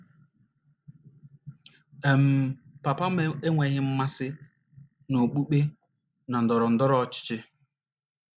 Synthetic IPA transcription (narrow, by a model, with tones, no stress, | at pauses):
e˨m̩˨pa˨pa˦m˦e˦ŋʷe˨ɣɪ˦m̩˦ma˦sɪ˦ | no˨k͡pu˦k͡pe˦ | na˨n̩˨dɔ˨ɾɔ˨n̩˨dɔ˦ɾɔ˦ɔ˨t͡ʃɪ̥˦t͡ʃɪ˦